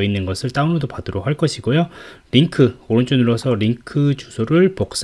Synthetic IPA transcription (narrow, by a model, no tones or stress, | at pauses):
inːɯnɡʌsʰɯɭt͈aunʌdopadɯɾokɦhaɭk͈ʌɕʰiɡojoɾiŋkʰɯoɾɯnt͡ɕ͈ʰunɯɾwʌsʰʌɾiŋkʰɯt͡ɕusʰoɾɯɭpok̚s͈